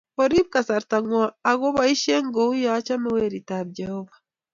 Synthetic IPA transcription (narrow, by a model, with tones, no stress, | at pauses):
oɾi˦βka˨sa˨ɾtaŋwaː˨ɣo˦βa˦i˦ʃe˦ŋɡou˦ja˦t͡ʃa˦mi˦weɾitaβɟehɔβa